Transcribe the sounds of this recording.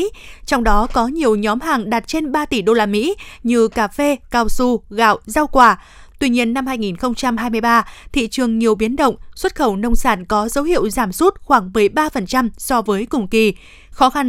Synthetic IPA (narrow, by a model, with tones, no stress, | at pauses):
t͡ɕɔ˧wŋ͡mɗɔ˨˦kɔ˨˦ɲi˨˩əwɲɔ˨˦mɦaː˨˩ŋɗaː˨˩t̚t͡ɕe˧nɓaː˧t̪i˧˩ɗo˧laː˧mḭ˧˥ɲɨ˧kaː˧˩fe˧kaː˧˩wsu˧ɣa̰ː˧˨wʔza˧wkwaː˧˩ | t̪wi˧ɲi˧ənːa˧mhaː˧jŋi˨˩nxə˧wŋ͡mt͡ɕa˧mɦaː˧jmɨ˧jɓaː˧t̪ʰḭ˧˨t͡ɕɨ˨˩əŋɲi˨˩əwɓi˨˦ənɗə̰˧˨wŋ͡mswə˦˥t̚xə˧˩wnə˧wŋ͡msaː˧˩nkɔ˨˦zə˨˦whḭ˧˨əwzaː˧˩mswu˦˥t̚xwaː˧˩ŋmɨ˨˩əjɓaː˧fə˨˩nt͡ɕa˧msɔ˧vəː˨˦jkʊ˨˩ŋ͡mki˨˩ | xɔ˨˦xa˧n